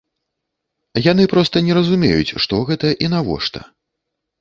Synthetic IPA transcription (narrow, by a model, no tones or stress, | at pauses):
jan̪ɨpɾɔst̪ɐnʲɛɾɐzumʲḛjut͡sʲʂt̪ɔɣɛt̪ɐʔinavɔ̰ʂt̪ɐ̰